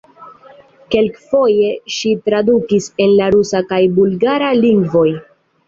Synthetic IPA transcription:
ke̞lkfo̞je̞ʃitɾadukise̞nlaɾusakajbulɡaɾaliŋɡvo̞j

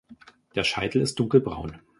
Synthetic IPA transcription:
d̥eːɐʃaɪtl̩ɪst̚d̥ʊŋkl̩bʁa̰ʊn

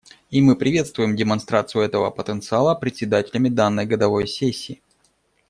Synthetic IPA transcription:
imɨpɾʲɪvʲe̞t̪st̪vʊjɪmdʲɪmɐnst̪ɾat̪sɨjʊɛt̪əvə̰pət̪ənt̪sɨalˠəpɾʲɪtʲsʲɪd̪atʲɪlʲɪmʲɪd̪anːəjɡəd̪ɐvo̞jsʲesʲːiː

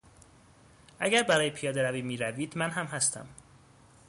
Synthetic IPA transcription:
ʔæɟæɾbæɾɒːjepʰijɒːd̪e̞ɾæviːmiːɾæviːd̪mænɦæmɦæst̪ʰæ̰m

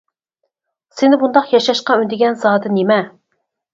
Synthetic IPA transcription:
sɪnɪbund̪ɑqjɑʃɑʃqɑynd̪ɪɡʲɛnzɑːd̪ɛnemɛ

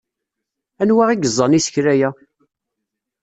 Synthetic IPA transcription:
ænwaʁiɡəzˤːɑnisə̥çɾæjæ

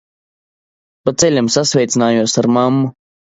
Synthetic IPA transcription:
pat̪sɛlʲamsasvʲɛjt̪sinaːjuɔsaɾmamːu

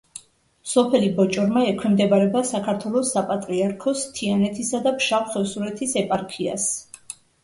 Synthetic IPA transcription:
sɔpʰɛlibɔt͡ʃʼɔɾmaɛkʰwɛmd̪ɛbaɾɛbasakʰaɾt̪ʰwɛlˠɔsapʼat̪ʼɾiaɾkʰɔst̪ʰianɛt̪ʰisad̪apʃapχɛsuɾɛt̪ʰisɛpʼaɾkʰia̰s

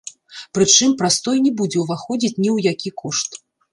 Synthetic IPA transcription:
pɾɨt͡ʂɨmpɾast̪ɔjnʲɛbud͡zʲɛwvaxɔd͡zʲit͡sʲnʲiwjakʲikɔʂt̪

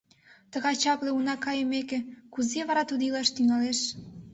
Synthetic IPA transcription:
t̪ə̆ɣɑjt͡ɕɑkleunɑkɑjəmekĕkuzeβɑɾɑt̪ud̪ilɑʃt̪yŋɑleʃ

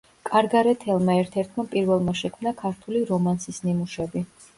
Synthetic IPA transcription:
kʼaɾɡaɾɛt̪ʰɛlˠmaɛɾt̪ʰɛɾt̪ʰmapʼiɾvɛlˠmaʃɛkʰmnakʰaɾt̪ʰuliɾɔmansisnimuʃɛbi

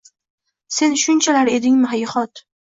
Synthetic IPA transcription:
se̞nʃʊnt͡ʃʰalaɾe̞d̪ɪŋmɪɦajχɒt̪

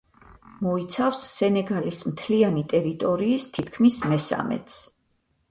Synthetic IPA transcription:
mɔit̪sʰafsːɛnɛɡalismt̪ʰlianit̪ʼɛɾit̪ʼɔɾiːst̪ʰit̪ʰkʰmismɛsa̰mɛ̰t̪s

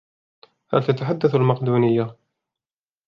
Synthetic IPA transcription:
ha̰lt̪at̪aħad̪ːaθalmɑqd̪uːnɪjːa

